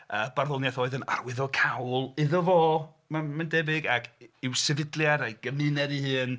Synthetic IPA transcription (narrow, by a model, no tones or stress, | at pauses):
əːbarðɔnjaθoːɨðəna̰rwɪðɔkʰawlˠɪðɔvoː | mamandɛbɪɡakʰɪwsɛvɪdlˠjaɾajɡ̥əmɨnɛɾihɨːn